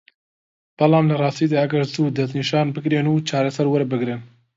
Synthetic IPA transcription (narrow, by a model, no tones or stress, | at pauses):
b̥ɐlɑːmlɐrˤɑːst̪iːd̪aːɐɡɐɾzuːd̪ɐzniːʃɑːnbɨɡɾeːnuːt͡ʃʰɑːɾasɐɾwɐɾbɨɡɾɨn